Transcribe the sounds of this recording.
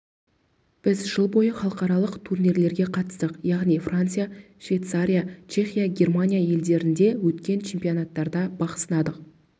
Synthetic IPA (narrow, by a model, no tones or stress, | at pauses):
b̥ɪzʒəlˠbo̞jəχɑlˠəqɑɾɑlˠəqt̪ʰurniɾle̞ɾɡʲe̞qʰɑt̪ə̥st̪əqjɑʁnijfrʔant̪sɨjaʃvʲejt̪saɾʲijat͡ʃʰe̞χʲijaɡʲe̞rmanʲijaje̞ld̪e̞ɾɪnd̪e̞wɵt̪kʲe̞nt͡ʃʰe̞mpijonat̪ːɑɾd̪ɑbɑqə̥sənɑd̪əq